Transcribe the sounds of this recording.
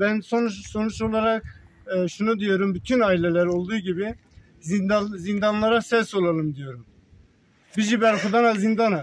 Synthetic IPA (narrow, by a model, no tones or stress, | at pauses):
bænsonuso̞nut͡ʃo̞lˠaɾakː | ʃunud̪ijo̞ɾumbyt̪ʰynaːilʲelʲæɾo̞lˠd̪uːɟibi | zizind̪anlˠaɾasɛso̞lˠalˠɯmd̪ijo̞ɾum | bid͡ʒibæɾkud̪anazind̪ana